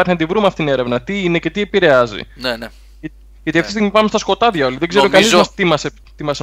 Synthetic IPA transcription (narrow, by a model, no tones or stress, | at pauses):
ɐɾçinɐd̪ivɾumeɐft̪it̪ine̞ɾe̞vnɐt̪iine̞ce̞t̪iepiɾe̞ɐzḭnene | ʝɐt̪iɐft̪ist̪iɣmipɐmest̪ɐsko̞t̪ɐðʝɐo̞liðe̞ɡzeɾokɐizɐst̪imɐse | t̪imɐs